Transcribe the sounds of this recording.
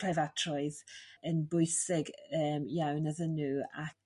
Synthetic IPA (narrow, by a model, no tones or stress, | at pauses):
lajvatʰrɔɨðənbʊɨsɪɡəːmjawnəðənuːa̰